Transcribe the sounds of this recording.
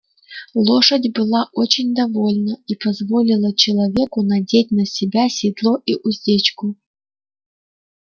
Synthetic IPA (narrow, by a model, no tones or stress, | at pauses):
lˠoʂədʲbɨlˠaʔot͡ɕɪnʲd̪ɐvo̞lʲnəipɐzvolʲɪlˠət͡ɕɪlˠɐvʲe̞kʊnɐdʲet̚ʲnɐsʲɪbʲasʲɪd̪lˠoʔiʔʊzʲdʲet͡ɕkʊ